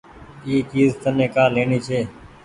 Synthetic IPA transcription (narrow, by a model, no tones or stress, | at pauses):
iːt͡ʃiːzt̪ənẽːkaːleːniːt͡ʃʰeː